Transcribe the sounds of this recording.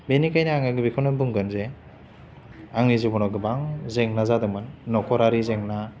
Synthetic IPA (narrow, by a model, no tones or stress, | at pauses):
benikajnaaŋaɡɯbikʰɔnabuŋɡɯnze | aŋnizubɔnɔɡɯbaŋzeŋnazadɯŋmɯnːɔkʰɔɾaɾizeŋna